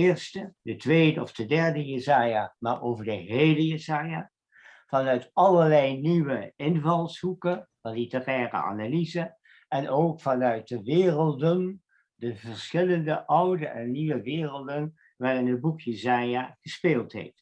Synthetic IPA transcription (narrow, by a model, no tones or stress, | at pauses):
ɪːɹstədətʋejdəɔfdədɛɹdəjəzaːjamaːɹʔowvəɹdəɦejləjəzaːja | vɑnœɥtɑləɹlɛjniʋəɪnvɑlˠshukə | ɑnlitərɛːrə̰a̰nalizə | ɛnʔowkfɑnœɥt̚dəʋɪːrəlˠdən | dəvəɹsχɪləndəʔʌwdəʔɛnːiʋəʋɪːrəlˠdən | ʋaːrɪnəd̚bukʰjəzaːjaχəspeːlˠtɦḛjft